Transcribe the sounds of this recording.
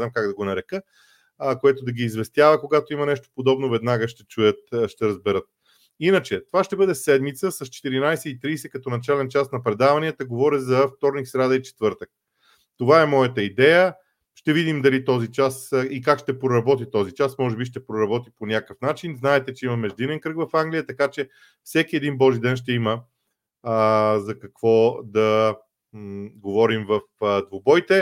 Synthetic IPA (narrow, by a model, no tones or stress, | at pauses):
amkaɡd̪ɐɡonɐɾɛkə | koɛt̪od̪ɐɡiːzvɛst̪javəkoɡat̪oimɐnɛʃt̪o̥pod̪ɔbnovɛd̪naɡəʃt̪ɛt͡ʃujət̪ʃt̪ɛɾəzbɛɾɤt̪̚ | inət͡ʃɛt̪ovaʃt̪ɛbɤd̪ɛsɛd̪mit̪səsɐst͡ʃɛ̥t̪iɾinajsɛit̪ɾiːsɛkɐt̪ɔnɐt͡ʃalɛnt͡ʃasnɐpɾɛd̪avɐniət̪əɡovɔɾizɐft̪ɔɾniksɾad̪əit͡ʃɛ̥t̪vɤɾt̪ək̚ | t̪ovaɛmɔjət̪əid̪ɛjə | ʃt̪ɛvid̪imd̪ɐlit̪ɔzit͡ʃasikakʃt̪ɛpɾoɾɐbɔt̪it̪ɔzit͡ʃasmɔʒɛbiʃt̪ɛpɾoɾɐbɔt̪iponʲakəfnat͡ʃinznaɛt̪ɛt͡ʃɛimɐmɛʒd̪inɛnkɾɤkvɐfaŋɡlʲijət̪ɐkat͡ʃɛ | fsɛkiɛd̪inbɔʒid̪ɛnʃ̬t̪ɛimə | zɐkɐkv̥ɔd̪ɐ | ɡovɔɾimvɐfd̪vobɔjt̪ɛ